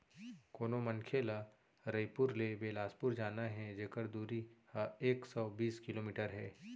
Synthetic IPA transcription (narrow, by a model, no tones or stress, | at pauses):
koːnomɐnkʰeːla | ɾəjpʊɾlebeːlaːspʊɾd͡ʒaːnaɦɛd͡ʒeːkəɾd̪uːɾihaeːksɔbiːskɪloːmiːʈəɾɦɛː